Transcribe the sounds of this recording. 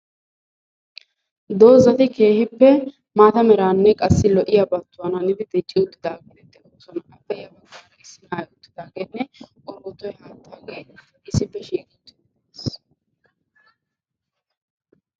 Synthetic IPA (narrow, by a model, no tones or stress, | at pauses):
d̪o̞ːzɐt̪ɪke̞ːhɪpːɛ | maːt̪ɐmɛɾaːnːɛkʼɐsːɪlɔʔɪjɐbɐt̪ːʊwɐnɐnɪbɪd̪ɪt͡ʃʼːɪʊt̪ːɪd̪aːɡɛt̪ɛt̪ːɛʔoːsɔnɐʔɐpːɛjɐbɐɡaːɾɐʔɪsːɪnaːjʊt̪ːɪd̪aːɡeːnːɛkʼɔɾuːt̪ːɔjhaːt̪ʰːaːɡeːʔɪsɪpːɛʃiːkʼɪt̪ːɪ | eːs